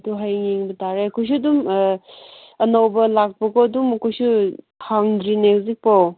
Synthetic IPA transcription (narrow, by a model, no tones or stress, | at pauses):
tuɦajŋeŋbɐtaɾeɐkʰojs̬udum | ɐnowbɐlak̚pɐɡoɐdumɐkʰojsu | haŋdɾinezik̚pow